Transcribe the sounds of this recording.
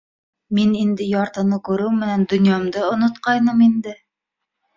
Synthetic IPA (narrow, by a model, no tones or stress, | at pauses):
minind̪ɘjɑɾt̪ɤ̆nɤkʉɾɘwmɘ̆nænd̪ɵ̆njɑmd̪ɤŏnŏt̪qɑjnɤmind̪ɘ